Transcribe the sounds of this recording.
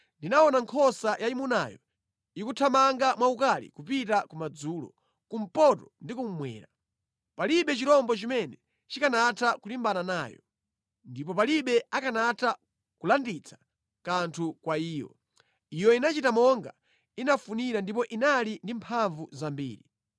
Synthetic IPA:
ndinaɔnaŋkʰɔsajaimuna̰ːjɔ̰ | ikutʰamaŋɡamwaukalḭkupitakumad͡zuːlɔ̰ | kum̩pɔtɔndikum̩mwɛ̰ːɾa | paliɓɛt͡ʃiɾɔmbɔt͡ʃimɛnɛ | t͡ʃikanatʰakulimbananaːjɔ̰ | ndipɔp̬aliɓɛakanatʰa | kulandit͡sʰḁ | kantʰukwaiːjɔ̰ | ijɔinat͡ʃitamɔŋɡa̰ | inafuniɾandip̬ɔʔinalindimpʰaɱvuzambḭːɾi

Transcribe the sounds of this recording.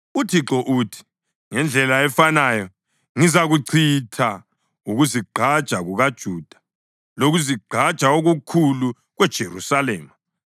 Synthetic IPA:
utʰiǁɔʔutʰi̥ | ŋɛnd͡ɮʱɛlaɛfanaːjɔ | ŋizaɣuǀʰitʰa | uɣuziɡ͡ǃʱad̥ʒ̥ʱaɣuɣad̥ʒ̥ʱuːd̥ʱḁ | loɣuziɡ͡ǃʱad̥ʒ̥ʼʱaoɣukʰulu | ɣwɛd̥ʒ̥ʱerusaleːma

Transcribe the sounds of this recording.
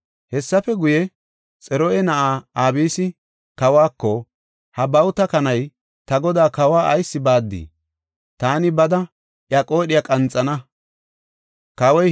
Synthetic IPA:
hɛsːɐfɛɡʊjɛ | t͡sʼɛɾɔʔɛnɐʔaːaːbiːsɪ | kɐwaːkːɔ | hɐbɐwt̪ɐkɐnɐj | t̪ɐɡɔd̪aːkɐwaːʔɐjsːɪbaːd̪ːḭː | t̪aːnɪbɐd̪ɐ | ʔjɐkʼo̞ːɗɪjakʼɐnt͡sʼɐnɐ | kɐwɔj

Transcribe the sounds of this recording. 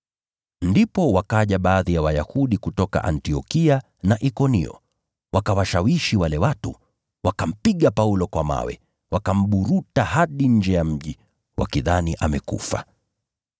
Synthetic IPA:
ndipɔwakaʄaɓaːðijawajahuɗikutɔka̰ʔantiɔkia | naʔikɔnḭɔ̰ | wakawaʃawiʃiwalɛwatṵ | wakam̩piɠapaulɔkwama̰wɛ̰ | wakam̩ɓuɾutahaɗiɲ̩d͡ʒɛjam̩ʄi | wʔa̰kiðaniʔamɛkṵfa̰

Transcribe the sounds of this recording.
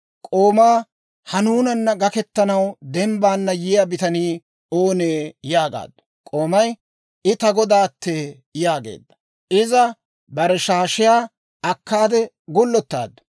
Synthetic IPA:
kʼoːmaː | hɐnuːnɐnːɐɡɐkɛt̪ːɐnɐwd̪ɛmbaːnːɐjɪjabɪt̪ɐniː | oːneːjaːɡa̰ːd̪ːɐ̥ | kʼo̞ːmɐj | ɪt̪ɐɡɔd̪aːt̪ːeː | jaːɡḛːd̪ːɐ̥ | ʔɪzɐ | bɐɾɛʃaːʃɪjaː | ɐkːaːd̪ɛ | ɡʊlːɔt̪ːa̰ːd̪ːɐ̥

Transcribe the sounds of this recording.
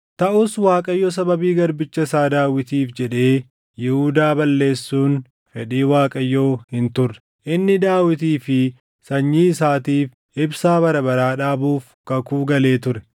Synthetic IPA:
t̪ɐʔʊswaːkʼɐjːoːs̬ɐbɐbiːɡɐɾbɪt͡ʃːɐɪsaːd̪aːwɪt̪iːfd͡ʒɛᶑe̞ː | jɪhud̪aːbɐlːe̞ːsːuːn | fɛᶑiːwaːkʼɐjːoːhɪnt̪ʊrːɛ̥ | ʔɪnːɪd̪aːwɪt̪̬iːfɪ | sɐɲːiːɪsaːt̪iːf | ɪbsaːbɐɾɐbɐɾaːᶑaːbuːfkɐkuːɡɐle̞ːt̪ʊɾɛ

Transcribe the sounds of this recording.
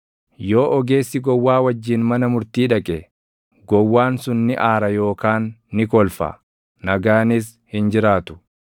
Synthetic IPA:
jo̞ːʔɔɡe̞ːsːɪɡɔwːaːwɐd͡ʒːiːnmɐnɐmʊɾt̪iːᶑɐkʼɛ | ɡɔwːaːnsʊnːɪʔaːɾɐjo̞ːkaːnːɪkɔlfɐ̰ | nɐɡaːnɪs̬ | hɪnd͡ʒɪɾaːt̪ʊ̥

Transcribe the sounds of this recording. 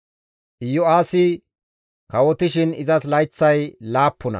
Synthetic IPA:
ʔɪjʊaːsɪ | kɐwɔt̪ɪʃɪnɪzɐslɐjt͡sːɐjlaːpːɔnɐ̰

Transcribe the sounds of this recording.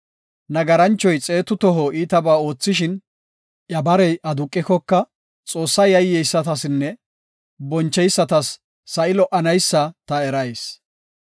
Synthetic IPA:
nɐɡɐɾɐnt͡ʃːɔjt͡sʼe̞ːt̪ʊt̪ɔɦɔiːt̪ɐbaːo̞ːt͡sːɪʃɪn | ʔjɐbɐɾɛjʔɐd̪ʊkʼːɪkɔkːɐ | t͡sʼo̞ːsːɐjɐjːɛjsːɐt̪ɐsɪnːɛ | bɔnt͡ʃːɛjsːɐt̪ɐsː | ɐɪlɔʔɐnɐjsːɐt̪ɐɛɾɐjs

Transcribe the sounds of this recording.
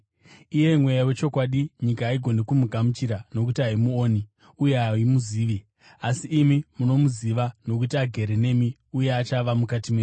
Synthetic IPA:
ije̞mwe̞jawe̞t͡ʃo̞kwaɗiɲikaːiɡʱo̞nekumuɡʱamut͡ʃiɾano̞kutiaimuoːni | ujeaimuziːʋi | asiʔːmimuno̞muziʋano̞k̬utiaɡʱe̞ɾene̞mi | ujeat͡ʃaʋamukatime

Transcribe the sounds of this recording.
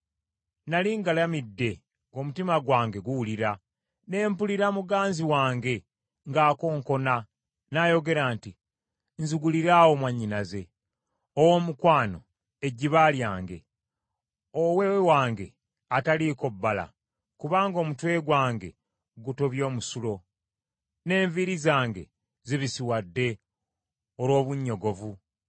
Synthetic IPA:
naliŋɡalamidːe̞ | ŋɡo̞mutimaɡwaːŋɡe̞ɡuwuliɾa | ne̞ːmpuliɾamuɡaːnziwaːŋɡe̞ | ŋɡaːko̞ːŋko̞na | najo̞ɡe̞ɾaːnti | nzuɡuliɾaːwo̞mwaɲːinaze̞ | owo̞mukwaːno̞ | e̞ɟiβaːljaːŋɡe̞̰ | owewewaːŋɡe̞ | ataliko̞bːala̰ | kuβaːŋɡo̞ːmutwe̞ːɡwaːŋɡe̞̰ | ɡuto̞βjo̞ːmusulo̞ | ne̞ːɱviɾizaːŋɡe̞̰ | ziβisiwadːe̞ | oɾwo̞ːβuɲːo̞ɡo̞vu

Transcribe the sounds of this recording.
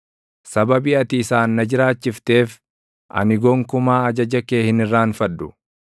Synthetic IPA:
sɐbɐbiɐt̪ɪːsaːnːɐd͡ʒɪɾaːt͡ʃːɪft̪e̞ːf | ʔɐ̰nɪɡɔŋkʊmaːɐd͡ʒɐd͡ʒɐkeːhɪnɪrːaːnfɐdːʊ

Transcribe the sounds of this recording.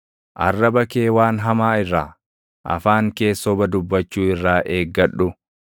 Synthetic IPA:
ʔɐ̰rːɐbɐkeːwaːnɦɐmaːɪrːaː | ʔɐ̰faːŋke̞ːsːɔbɐd̪ʊbːɐt͡ʃːuːɪrːaːʔe̞ːɡːɐᶑːʊ

